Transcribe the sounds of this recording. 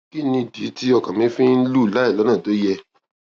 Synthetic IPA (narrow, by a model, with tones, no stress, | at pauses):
ki˦nĩ˧˨di˨˦ti˦ɔ˧kã˨mĩ˦fĩ˦n̩˦lu˦˨la˨˦i˦˨lɔ˨˦nãː˦˨to˨˦jɛ˧